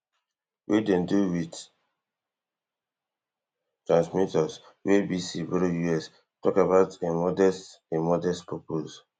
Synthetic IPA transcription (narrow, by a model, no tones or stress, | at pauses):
wʔidɛ̃nduwit | tɹãnsmitɔs | webisivɛɾjuɛs | tɔkabaʊtemɔdɛst | emɔdɛstpɹɔpos